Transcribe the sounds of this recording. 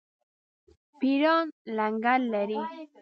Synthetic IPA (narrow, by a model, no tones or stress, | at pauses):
piɾɔnlaŋɡalːeɾi